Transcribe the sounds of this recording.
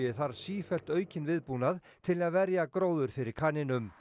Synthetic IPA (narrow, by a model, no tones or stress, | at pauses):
ɪθaɾsiːfɛl̥t̪œːɥcɪnvɪðpuːnað | t̪ʰɪlaðvɛɾjakɾoːwðʏɾ̥fɪɾɪɾkʰaːnɪnʏm